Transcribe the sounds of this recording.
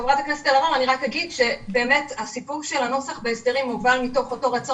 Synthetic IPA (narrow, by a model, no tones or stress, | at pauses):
evʁatakneset̪alaʁolaniʁakhaɡidʃe̞be̞ːmetasipuʁʃelano̞saχbeːsdeʁimuvalmito̞χo̞to̞ʁet͡so